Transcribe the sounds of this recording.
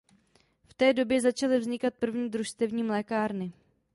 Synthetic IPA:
ft̪ɛːdo̞bjɛzat͡ʃalɪvzɲɪkat̪̚pr̩vɲiːd̪ɾuʃst̪ɛvɲiːmlɛːkaːɾnɪ

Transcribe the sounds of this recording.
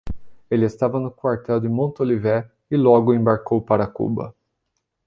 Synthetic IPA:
elɪest̪avɐnʊkwaɾt̪ɛwd̪ɪmõnt̪olivɛ | ɪlɔɡʊẽbaɾkowpaɾɐkṵbɐ̰

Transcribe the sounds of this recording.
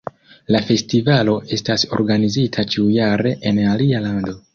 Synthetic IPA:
lafe̞stivalo̞ʔe̞staso̞̰ɾɡanizitʰat͡ʃiujaɾe̞ʔenalialando̞

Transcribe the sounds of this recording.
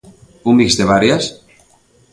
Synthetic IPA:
umbikzd̪eβaɾjas

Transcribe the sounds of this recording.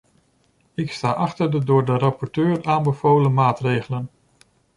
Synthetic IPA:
ɪkstaːʔɑχtəɹdədʊːɹdərɑpɔɹtøːɹaːnbəvowləmaːtrejχələn

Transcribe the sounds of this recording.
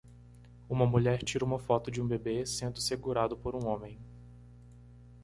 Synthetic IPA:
ũmɐmuʎɛɾt͡ʃiɾɐũmɐfɔt̪ʊd͡ʒɪũbebesẽnd̪ʊseɡuɾad̪ʊpoɾũõmẽj̃

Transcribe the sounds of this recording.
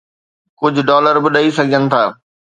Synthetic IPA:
kʊd͡ʑʱʊɖɔːləɾbʊɗaisɐɡʱɪd͡ʑənɪ̆t̪ʰaː

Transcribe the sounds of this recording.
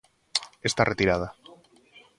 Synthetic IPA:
est̪arʔet̪iɾað̞a

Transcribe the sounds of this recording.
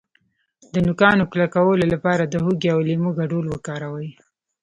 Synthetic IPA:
d̪ənʊkɑnoklakawəlolapɑɾad̪əhuɡiawlimuɡaɖulwəkɑɾawəj

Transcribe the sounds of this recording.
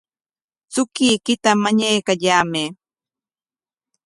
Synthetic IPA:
t͡sʊkiːkɪt̪amaɲajkaʎaːme

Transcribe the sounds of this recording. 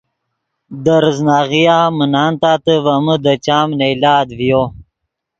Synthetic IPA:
d̪əɾəznaːɣijamənaːnt̪aːt̪əvɐməd̪ət͡ɕaːmneilaːd̪vijo

